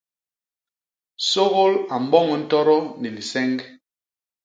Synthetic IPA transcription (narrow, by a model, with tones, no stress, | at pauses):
so˦ɣo˦la˨m̩˦bɔ˦ŋɛ˨n̩˦tɔ˦ɾɔ˦ni˨li˨sɛ˦ŋɡ